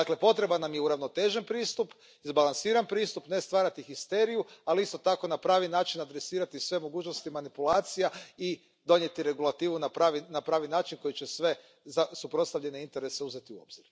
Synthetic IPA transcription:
d̪akle̞po̞t̪ɾe̞banamjeuɾaʋno̞t̪e̞ʒenpɾiːst̪up | izbalansiːɾanpɾiːst̪upne̞st̪ʋaːɾat̪ixist̪e̞ɾijualiist̪o̞t̪ako̞napɾaːʋinaːt͡ʃinad̪ɾe̞siːɾat̪isʋe̞mo̞ɡuːt͡ʃno̞st̪imanipulˠaːt̪sijai | d̪o̞ɲje̞t̪iɾe̞ɡulˠat̪iːʋunapɾaʋinapɾaːʋinaːt͡ʃinko̞jit͡ʃe̞sʋe̞ | zasupɾost̪aʋʎe̞neint̪e̞ɾe̞se̞uze̞t̪iuo̞̰bziɾ

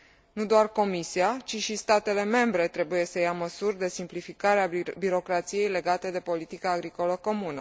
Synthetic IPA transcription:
nud̪oarko̞misiat͡ʃiʃist̪at̪e̞le̞me̞mbɾe̞t̪ɾe̞buje̞səjaməsurʲd̪e̞simplifikaɾeabiɾo̞kɾat̪sije̞jle̞ɡat̪e̞d̪e̞po̞lit̪ikaːɡɾiko̞ləko̞munə

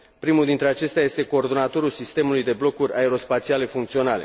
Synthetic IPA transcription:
pɾimuld̪int̪ɾe̞at͡ʃe̞st̪eaje̞st̪e̞ko̞ːrd̪o̞nat̪o̞ɾulsist̪e̞mulujd̪e̞blo̞kuɾʲʔae̞ɾo̞spat̪siale̞fuŋk̚t̪sio̞nale̞̰

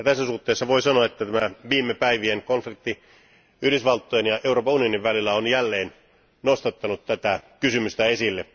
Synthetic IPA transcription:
t̪æsːæsuht̪ːeːsːɑʋoisɑnoɑet̪ːæt̪æmæʋiːmːepæiʋienkonflik̚t̪ːi | yhɾysʋɑlt̪ːojenjɑʔeuroːpɑunijoniʋʋælilːæonjælːeːn | nost̪ɑt̪ːɑnut̪t̪æt̪ækysymyst̪æesilːe

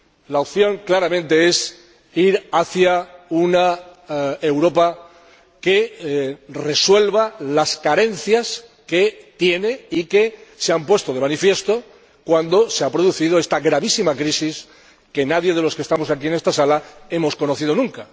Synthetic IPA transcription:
laop̚θjõ̞ŋklaɾamẽnt̪e̞e̞s | iɾaθjauna | e̞wɾo̞pa | ke̞ | re̞swe̞lβalaskaɾe̞n̟θjas | ket̪je̞ne̞ike̞seampwe̞st̪o̞ðe̞manifje̞st̪o̞ | kwand̪o̞seapɾoðuθiðo̞e̞st̪aɣɾaβ̞isimakɾisis | ke̞naðje̞ð̞e̞lo̞skest̪amo̞sakie̞ne̞st̪asalae̞mo̞sko̞no̞θið̞o̞nũŋka

